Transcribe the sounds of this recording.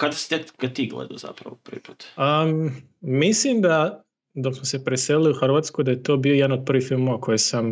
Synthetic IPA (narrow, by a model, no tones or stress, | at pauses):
kad̪asi̥t̪ek̪kad̪̚t̪iɡlḛd̪oza̰pɾa̰ʋoprʋḭpu̥ːt̪əː | islimd̪a | d̪o̞ksmose̞pɾeseliliuxrʋaːt̪skojd̪ajet̪o̞ːbiojɛd̪anod̪̚pr̩ʋiːxfilˠmoakʰo̞jesam